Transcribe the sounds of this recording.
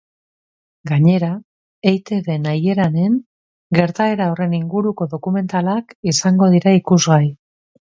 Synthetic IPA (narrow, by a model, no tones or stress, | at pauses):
ɡaɲe̞ɾa | ejt̪e̞ðe̞naje̞ɾane̞ŋ | ɡe̞ɾt̪ae̞ɾaore̞niŋɡuɾuko̞ðo̞kume̞nt̪alakisaŋɡo̞ðiɾaikuzɣaj